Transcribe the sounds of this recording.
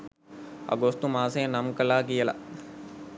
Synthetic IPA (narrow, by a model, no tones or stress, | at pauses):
ɐ̰ɡost̪umaːsejɐnɐmkɐlaːɡijəlɐ̰